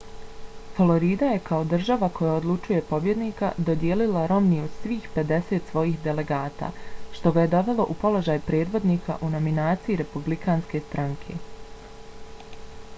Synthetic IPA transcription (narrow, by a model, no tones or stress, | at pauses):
folˠo̞ɾiːd̪aje̞kʰaod̪r̩ʒaʋako̞jaod̪lˠut͡ʃuje̞po̞bje̞d̪niːka̰d̪o̞d̪jeːlilaɾo̞mniod̪sʋiːxpe̞d̪e̞se̞t̪sʋo̞jiːxd̪e̞le̞ɡaːt̪a̰ːʃt̪o̞ɡaje̞d̪o̞ʋe̞lˠo̞ʔupo̞lˠo̞ʒaːjpɾe̞ːd̪ʋo̞d̪niːkʰa̰ʔuno̞minaːt̪sijiɾe̞publikaːnske̞st̪ɾaŋkʰe̞